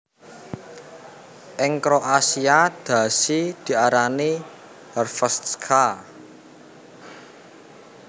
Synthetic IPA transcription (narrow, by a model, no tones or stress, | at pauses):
ʔɪŋkɾɔʔasiad̪̥ä̤sid̪̥i̤aɾani | hərfəst̪skʰa